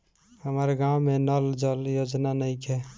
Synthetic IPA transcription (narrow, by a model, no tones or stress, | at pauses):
həməɾɡãwmenəld͡ʒəljod͡ʒnanəjkʰɛ